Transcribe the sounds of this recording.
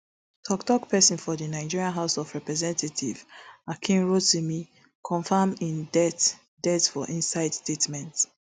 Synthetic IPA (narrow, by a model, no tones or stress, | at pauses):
tʰɔktɔkpʰɛsɔ̃nfɔdinaɪd͡ʒiɹiãnɦaʊsɔfɹɛpɹɛzɛ̃ntʰatʰivakʰĩnɹottumi | kʰɔ̃ɱfamĩndɛt | dɛtfɔʔĩnsaɪdstetmɛ̃nt